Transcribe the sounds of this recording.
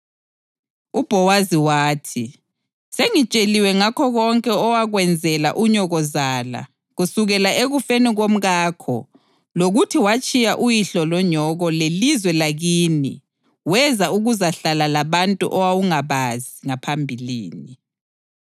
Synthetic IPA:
ub̥ʱɔwaziwaːtʰi | seŋit͡ʃʼeliwɛŋakʰɔɣɔŋkʼɛɔwaɣwɛnd͡zʱɛla̰ʔuɲɔɣɔzaːla̰ | ɣusuɣɛlaʔeɣufeniɣom̩ɣaːkʰɔ̰ | loɣutʰiwat͡ʃʼijaʔujiɬɔlɔɲɔɣɔlelizwɛlaɣiːnḭ | wɛzauɣuzaɬalalaβantʼṵʔɔwawuŋaβaziŋapʰambʱilḭːni

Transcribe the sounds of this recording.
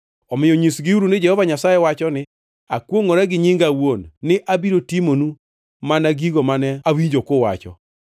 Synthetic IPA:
ɔmɪjɔɲisɡɪuɾunɪd͡ʒɛhɔvaɲasajɛwat͡ʃɔnɪ | akwoŋɔɾɛɡɪɲiŋɡawonːɪʔabiɾotimonu | manaɡiɡomanɛawiɲd͡ʒokowa̰t͡ʃɔ̰

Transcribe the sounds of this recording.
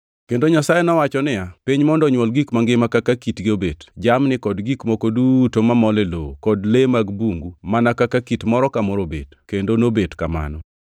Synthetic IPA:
kendoɲasajenɔwat͡ʃɔnɪjapiɲmɔndɔɲwɔlɡikmaŋɡɪmakakakitɡɪobedd͡ʒamnɪkɔdɡikmɔkodutomamɔlelo̰kɔdlemaɡbuŋɡumanakakakitmɔɾɔkamɔɾobḛdkendonobedkama̰nɔ

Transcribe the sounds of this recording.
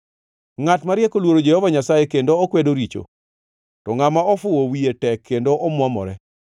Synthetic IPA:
ŋatmaɾɪjɛkolwoɾod͡ʒɛhɔvaɲasajekendoːkwedoɾit͡ʃo̰ | tɔŋamaɔfʊwowietɛkʰːendoʔɔmwɔmɔ̰ɾɛ

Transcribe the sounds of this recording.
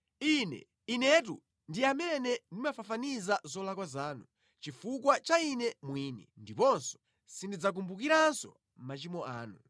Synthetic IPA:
inɛ̰ | inɛt̬ṵ | ndiamɛnɛndimafafanizazɔlakwazaːnu | t͡ʃifuk̬wat͡ʃainɛmwiːnɛ̰ndipɔnsɔ̥ | sindid͡zak̬umbukiɾansɔ̰ | m̩mat͡ʃimɔʔaːnu

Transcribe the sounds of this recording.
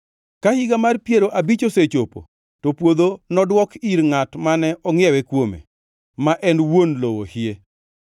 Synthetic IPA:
kahɪɡamarpjeɾoʔabit͡ʃoset͡ʃopo̰ | topwod̪onɔdwɔkiɾŋatmanɛʔɔŋjɛwɛkwomḛ | maʔɛnwonlowohie

